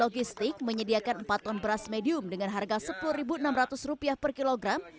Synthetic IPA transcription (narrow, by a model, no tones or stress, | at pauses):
oɡist̪ɪk̚məɲədiakanmpat̪ːɔnbəɾasmediʊmdəŋanɦarɡasəpuluhribuənamrat̪ʊsrupiahpərkiloɡɾam